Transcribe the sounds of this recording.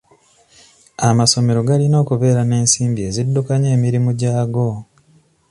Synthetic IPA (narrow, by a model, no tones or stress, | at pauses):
amaso̞me̞ɾo̞ɡalino̞ːkuβe̞ːɾane̞ːnsiːmbie̞zidːukaɲe̞ːmiɾimuɟaːɡo̞